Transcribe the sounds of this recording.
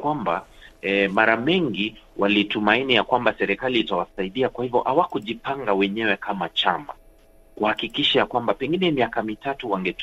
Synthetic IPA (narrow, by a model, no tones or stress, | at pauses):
kwambaɛmaɾamɛŋɡiwalitumainijakwambasɛɾɛkaliːtawasaiɗiakwahivjɔ̰ʔawakuʄipaŋɡawɛɲɛwɛkʰamat͡ʃama̰ | kuhakikiʃajakwambapɛŋɡinɛmiakamitatuwaŋɡɛt